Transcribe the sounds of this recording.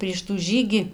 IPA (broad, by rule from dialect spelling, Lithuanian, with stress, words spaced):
pʲrʲiɛʃ tuː ˈʒʲiːɡʲiː